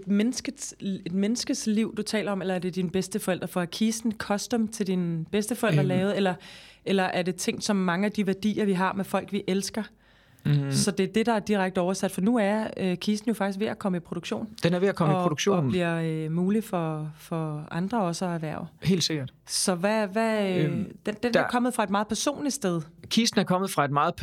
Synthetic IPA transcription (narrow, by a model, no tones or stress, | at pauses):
ed̥menəsɡ̥ə̥e̝d̥menəsɡ̥əsliʊ̰d̥ut͡sʰɛ̰ːlɐɒ̽melɐæɐd̥e̝d̥inb̥esd̥əfɒ̽el̰d̥ʁɐfɒækʰiːsn̩kʰɒ̽sd̥emt͡sʰe̝ld̥inb̥esd̥əfɒel̰d̥ʁɐlɛːʊð̩ˠelɐʔelɐʔæɐde̝t͡sʰeŋ̰d̥sɒ̽mːɑ̈ŋəæd̥iʋæɐd̥ḭːɐʋiɦɑ̈mefɒ̽l̰ɡ̥ʋiʔelsɡ̥ɐ | sɒ̽d̥e̝æɐd̥e̝d̥ɑ̈æɐd̥iʁaɡ̥d̥əɒʊɐsæd̥fɒnuæɐøkʰiːsd̥n̩jo̝fɑ̈ɡ̥is̬ɡʋe̝ʔækʰɒ̽məipʰʁoɾ̥oɡ̥ɕo̝̰ːnd̥enæɐʋe̝ækʰɒ̽miɒpʁodoɡɕo̝̰ːnbliɐømuːlifɒ̽fɒ̽ʔɑ̈nd̥ʁɐɒ̽səɒ̽æʋæɐ̰he̝̰ːldse̝ɡ̥ɐd̥sɒ̽ʋæʋæ | d̥end̥enæɐkʰɒ̽məð̞̩ˠfʁɑ̈e̝d̥mɑ̈ːð̩ˠpʰæɐso̝̰ːnli̥sd̥eðˠkʰiːsn̩æɐkʰɒ̽mð̞̩ˠfʁɑ̈e̝d̥̚mɑ̈ːð̩ˠ